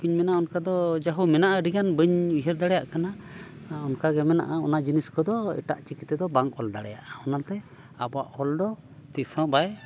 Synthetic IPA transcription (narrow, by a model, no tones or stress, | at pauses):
kiɲmɛnaɔnkad̪ɔd͡ʒaɦumɛnaʔaɖiɡanbəɲbiɦɛɾd̪aɽɛjaʔkana | ɔnkaɡɛmɛna̰ʔaɔ̰naʔd͡ʒiniskɔd̪ɔḭʈa̰ʔt͡ʃikit̪ːɛd̪ɔbaŋkɔld̪aɽɛja̰ʔaɔnalt̪ɛ | abɔa̰ʔhɔld̪ɔ | t̪isɔ̃baj